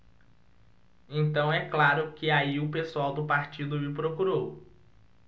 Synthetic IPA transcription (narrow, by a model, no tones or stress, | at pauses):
ẽt̪ɐ̃w̃ɛklaɾʊkɪaiʊpesuawd̪ʊpaɾt͡ʃid̪ʊɪpɾokuɾow